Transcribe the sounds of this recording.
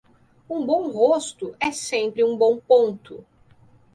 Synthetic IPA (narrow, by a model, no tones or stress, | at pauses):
ũbõw̃host̪ʊʔɛsẽmpɾɪũbõw̃põnt̪ʊ